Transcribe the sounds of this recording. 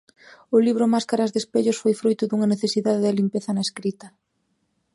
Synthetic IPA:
ʊliβɾʊmaskaɾazðespeʎʊsfojfɾojt̪ʊðuŋɐneθesiðaðeðɪlimpeθɐnaeskɾit̪ɐ

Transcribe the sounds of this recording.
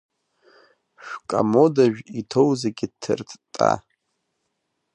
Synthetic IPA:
ʃᶣʷkʼamo̞daʒᶣitʰo̞wzaɡʲɪdtʰːɨ̰rtʰʼtʼa̰

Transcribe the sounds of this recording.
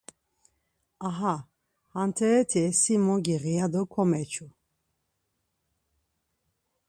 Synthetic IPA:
aɦa | hant̪ʰɛɛt̪ʰɛsimɔɡiʁijad̪ɔkʰɔmɛt͡ʃʰu

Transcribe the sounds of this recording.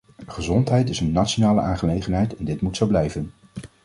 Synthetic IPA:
χəzɔntɦɛjtɪsənːatt͡ʃonaːləʔa̰ːnχəlejχənɦɛjtɛndɪtmutsɑwblɛjvən

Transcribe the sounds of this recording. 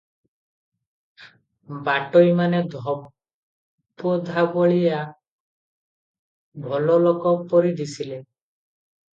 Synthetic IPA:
baʈojmaned̪ʱɔ | pɔd̪ʱabɔɭija | bʱɔlɔlɔkɔpɔɾid̪isile

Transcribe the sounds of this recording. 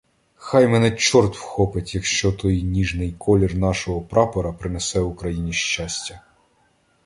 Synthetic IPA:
xɑjmɛnɛt͡ʃɔrt̪wxɔpɪtʲjɐkʃt͡ʃɔt̪ɔjnʲiʒnɪjkʰɔlʲirnɑʃɔɦɔpɾɑpɔɾɐpɾɪnɛsɛʋʊkɾɐjinʲiʃt͡ʃasʲtʲɐ

